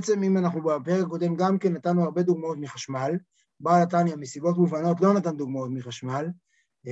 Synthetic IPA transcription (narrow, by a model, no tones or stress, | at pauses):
et͡se̞mimanaχnubapeʁekako̞de̞mɡamke̞nːat̪anːuaʁbe̞d̪uɡmao̞tmiχaʃmal | balatanjamesibo̞tmuvano̞tlo̞natand̪uɡmao̞tmiχaʃmal